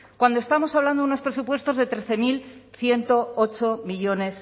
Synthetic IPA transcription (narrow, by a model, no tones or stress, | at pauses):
kwand̪oe̞st̪amo̞saβland̪ouno̞spɾe̞supwe̞st̪o̞zðe̞t̪ɾe̞θe̞milθje̞nt̪o̞ot͡ʃo̞miʝo̞ne̞s